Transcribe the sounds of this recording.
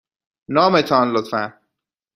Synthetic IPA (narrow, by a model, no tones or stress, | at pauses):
nɒːmet̪ʰɒnlot̪fæ̰n